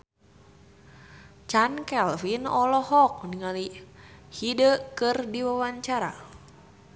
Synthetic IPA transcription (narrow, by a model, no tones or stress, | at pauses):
t͡ʃankɛlfinɔlɔhɔk̚niŋalihidəkɨrdiwawaɲt͡ʃaɾa̰